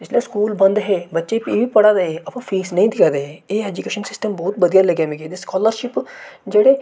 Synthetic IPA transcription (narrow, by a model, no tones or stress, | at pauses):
d͡ʒɪsliaskuːlbɐ̃nd̪ɦeːbətːʃepiːbiːpɐɽaːd̪eɦeɐpãːfʰiːsnəĩːd̪ɪkʰad̪eɦeeːɛd͡ʒukeːʃənsɪsʈəmbɔːt̪bɐd̪ijaləɡjamẽɡed̪eskɔːləɾʃɪpd͡ʒeːɽeː